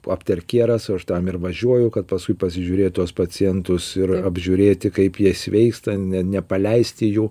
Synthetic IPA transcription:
ɐpʲt̪ɐɾʲkʲeːɾɐsɐʃt̪ɐmɪrʋɐʒʲuɔjʊkɐt̪pɐskʊɪpɐs̬ʲɪʒʲuːɾʲeːtt̪uɔspɐt͡sʲɪjɛnt̪ʊsɪɾɐbʲʒʲuːɾʲeːt̪ʲɪkɐɪpjiɛsʲʋʲɛɪkst̪ɐnʲɛnʲɛpɐlʲɛɪsʲt̪ʲɪjuː

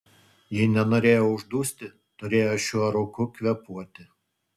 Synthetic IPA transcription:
jɪnʲɛnoːɾʲeːjoʊʒd̪uːsʲt̪ʲɪ | t̪ʊɾʲeːjoːʃʲuɔɾokʊkʲʋʲɛpuɔt̪ʲɪ

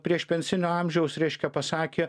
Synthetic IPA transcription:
pʲɾʲiɛʃpʲɛnʲsʲɪnʲoːɑˑmʲʒʲɛʊsɾʲɛɪʃʲkʲɛpɐsɑːkʲeː

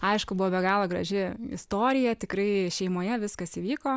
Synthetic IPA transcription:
ɐɪʃkʊbʊʋoːbʲɛɡɑːlˠɐɡɾɐ̰ʒʲɪɪ̰st̪oːɾʲɪjɛt̪ʲɪkɾɐɪʃʲɛɪmoːjɛʋʲɪskɐsiːʋʲiːkoː

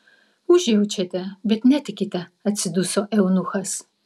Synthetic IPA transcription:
uʒewut͡ʃʰetʰʼɐbɛtʰnɛtʰɨkitʰʼɐɐt͡sʰɨdusoʔɛwnuxɐs

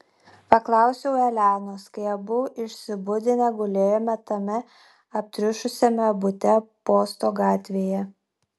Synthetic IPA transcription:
pɐklˠɑˑʊsʲɛʊɛlʲæːnoːskɐɪɛbʊʔɪʃʲsʲɪbʊd̪ʲɪnʲɛɡʊlʲeːjɛmʲɛt̪ɐmʲɛ | ɐp̚ʲt̪ʲɾʲɪʃʊsʲɛmʲɛbʊt̪ʲɛpoːst̪oːɡɑːt̪ʲʋʲeːjɛ

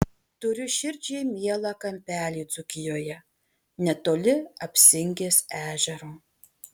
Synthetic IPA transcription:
t̪ʊɾʲʊʃʲɪɾʲˑd͡ʒʲɛɪmʲiɛlˠɑːkɐmʲpʲæːlʲiːd̪zʊkʲɪjoːjɛ | nʲɛt̪oːlʲɪɐpʲsʲɪŋʲɡʲeːsæːʒʲɛɾo

